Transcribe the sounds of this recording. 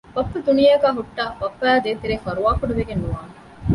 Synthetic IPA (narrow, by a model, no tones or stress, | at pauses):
bɐpːɐd̪unijɐɡæːɦuʈːaːbɐpːæːd̪eːt̪eɾeːfɐɾuʋaːkuɖɐʋeɡenːuʋaːŋ